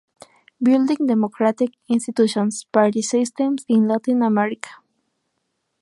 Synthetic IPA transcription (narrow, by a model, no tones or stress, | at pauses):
bild̪ĩŋd̪emokʰɾat̪ikĩnst̪it̪uʃõnspaɾt̪isist̪ẽmsĩnlat̪ĩnameɾikʰḁ